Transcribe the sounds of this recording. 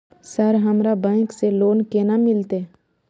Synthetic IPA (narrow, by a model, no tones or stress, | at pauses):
səɾɦəmɾabɛ̃ːkseloːnkeːnamɪlt̪e